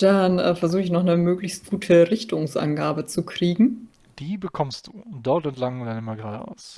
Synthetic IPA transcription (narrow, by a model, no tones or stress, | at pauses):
d̥anɛːfɛɐzuːχɪçnɔχnəmøːklɪçst̚ɡ̥uːtʰəʁɪçtʰʊŋsʔa̰nɡaːbət͡sukʁ̥iːɡŋ̩ | d̥iːbəkʰɔmst̚d̥uːd̥ɔɐtɛntlaŋdaɪnəmaɡʁaːʔa̰ʊs